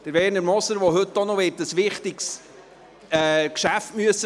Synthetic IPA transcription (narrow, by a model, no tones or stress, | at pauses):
d̥əɾvɛːɾnəɾmɔsəɾʋoɦɵt̪ːonɔʋɪːtəsʋɪχt̪ɪks | ɛːkʃæftmyəsə